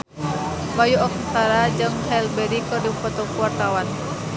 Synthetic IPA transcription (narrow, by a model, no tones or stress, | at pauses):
bajuɔk̚ət̪aɾad͡ʒɨŋhɛlbɛɾikɔdifɔt̪ɔkuart̪awan